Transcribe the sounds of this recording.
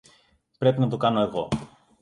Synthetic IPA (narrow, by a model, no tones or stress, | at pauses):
pɾe̞pinɐt̪okɐno̞e̞ɣo̞̰